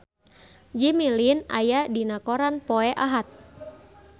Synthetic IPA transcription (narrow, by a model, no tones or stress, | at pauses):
d͡ʒimilina̰jadinakoɾanpɔɛʔaɦat̪̚